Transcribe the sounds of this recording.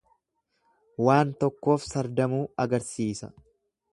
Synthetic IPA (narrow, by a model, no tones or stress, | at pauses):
waːnt̪ɔkːo̞ːfsɐɾd̪ɐmuːɐɡɐɾsiːsɐ̰